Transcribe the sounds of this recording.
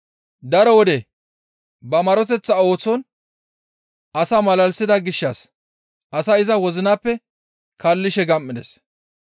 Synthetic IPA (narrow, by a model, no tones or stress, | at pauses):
d̪ɐɾɔwɔd̪ɛ | bɐmɐɾɔt̪ɛt͡sːɐo̞ːt͡sːɔn | ɐsaːmɐlɐlsɪd̪ɐɡɪʃːɐs | ʔɐsaɪzɐwɔzɪnaːpːɛ | kɐlːɪʃɛɡɐmːɪd̪ɛ̰s